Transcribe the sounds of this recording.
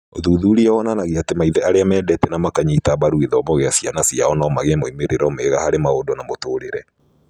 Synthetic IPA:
oðuːðuːɾiɔwɔnanaɣeatemaiðɛaɾeamɛːdɛtɛnamakaɲiitaβaɾueðɔmoɣeasianasiaɔnɔmaɣemoimeɾeɾɔmeɣahaɾemaodonamotoːɾeɾɛ

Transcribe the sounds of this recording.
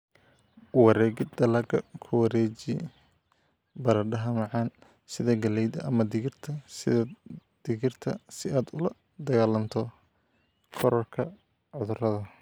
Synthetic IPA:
wɑɾɛːɡɪd̪ɐlɐɡɐkʰʊwɑɾɛːt͡ʃi | bɐɾɐɖɐɦɐmɑʕɑːn | sɪðɐɡɐlɛjd̪ɐʔɐmɐd̪ɪɣɪrt̪ʰɐsɪd̪̥ɪɣɪrt̪ʰɐ̰sɪaːd̪ʊlɐ | d̪ɐɣaːlɐmt̪ʰɔ | kʰɔɾɔrkʰɐ | ʕʊðʊrɐðɐ

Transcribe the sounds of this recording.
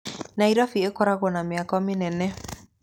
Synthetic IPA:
naiɾafiekɔɾaɣɔnamɪakamɪnɛnɛ

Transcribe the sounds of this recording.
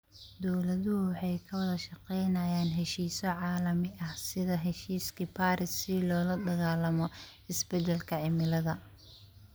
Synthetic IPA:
d̪ɔwlɐðʊwɑħɑjkʰɐwɐðɐʃɐqɛjnɐjaːnɦɛʃiːsɔʕɑːlɐmɪʔɐhsɪðɐɦɛʃiːskʰipʰaːɾɪsːɪlɔːlɐd̪ɐɣaːlɐmɔɪsbɛd̪ɛlkʰɐʕɪmɪlɐðɐ

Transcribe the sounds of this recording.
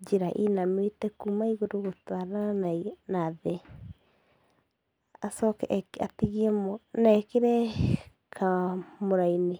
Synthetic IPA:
d͡ʒeɾaʔinamwetɛkumaiɣoɾoɣotwaɾaananaðɛ | asɔkɛatiɣiɛmnaɛkeɾɛ | kʰamoɾaine

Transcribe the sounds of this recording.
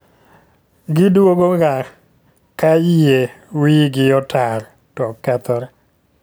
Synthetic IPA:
ɡɪdwoɡoɡa | kajjewiɡɪɔtaɾ | tɔkɛt̪ɔɾɛ

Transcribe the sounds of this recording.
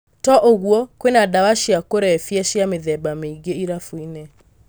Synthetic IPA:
tɔʔoɣwɔkwenadawaʃiakoɾɛɛfjɛʃjameðɛbameiɣeiɾafuinɛ

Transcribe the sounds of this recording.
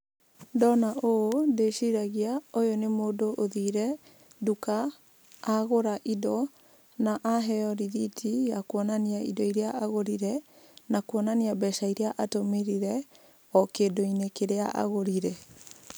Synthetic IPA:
dɔnaodeʃiɾaɣiaojonemoːdoʔoðiːɾɛ | dukaː | ɣoɾaʔidɔ | naʔaɦɛɔɾiðitʰijakwɔnaniaḭdɔiɾeaʔaɣoɾiɾɛ | nakwɔnaniabɛʃaiɾeaʔatomeɾiɾɛ | ɔkedoinekeɾeaʔa̰ɣoɾiɾɛ

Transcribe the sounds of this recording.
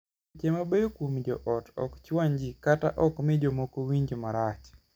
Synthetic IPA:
t͡ʃemabejokwomd͡ʒɔ̰ʔɔtɔ̰kt͡ʃwaɲd͡ʒikata̰ʔɔkmɪd͡ʒomokowiɲd͡ʒomaɾat͡ʃ

